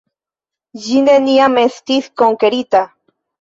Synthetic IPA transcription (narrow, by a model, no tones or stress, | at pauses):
ʒineniameθt̪iθkoŋkeɾit̪a